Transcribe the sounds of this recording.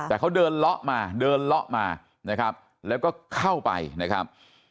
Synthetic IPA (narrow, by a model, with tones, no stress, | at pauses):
t̪ɛː˨˩kʰa˦˥wdɤː˧nlɔ˦˥ʔmaː˧dɤː˧nlɔ˦˥ʔmaː˧ | na˦˥kʰa˦˥p̚ | lɛː˦˥wkɔː˥˩kʰa˥˩wpa̰˧jna˦˥kʰɾa˦˥p̚